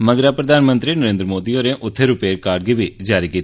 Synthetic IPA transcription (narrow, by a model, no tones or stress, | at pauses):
məɡɾaːpɾəd̪ʱaːnmə̃nt̪ɾiːnəɾẽːnd̪ɾəmoːd̪ioːɾẽʔʊt̪ʰːeɾʊpeːkaːɖ̚ɡiːʋiːd͡ʒaːɾiːkiːt̪ː